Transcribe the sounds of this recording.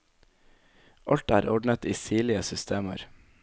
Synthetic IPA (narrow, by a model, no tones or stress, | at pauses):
ʔɑlt̪æːɾɔɖɳət̪iːsiːɭɪəsʏst̪ʰeːmə̰ɾ